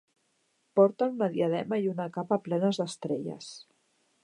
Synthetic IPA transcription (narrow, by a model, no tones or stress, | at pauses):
pɔɾt̪anunəðiəðɛmaiunakapaplɛnəzðəst̪ɾeʎə̰s